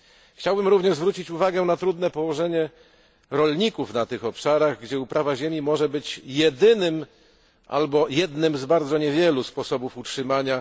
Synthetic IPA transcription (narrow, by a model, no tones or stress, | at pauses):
xt͡ɕawbɘmɾuvɲɛʐzvɾut͡ɕit͡ɕuvaɡɛnat̪ɾud̪nɛpɔwɔʐɛɲɛ | ɾɔlɲikufnat̪ɘxɔpʂaɾaɣɡd͡ʑɛupɾʔavaʑemʲimɔʐɛbɘt͡ɕjɛd̪ɘnɘm | ʔa̰lbɔjɛd̪nɘmzbaɾd̪zɔɲɛvʲjɛluspɔsɔbufutʂɘmaɲa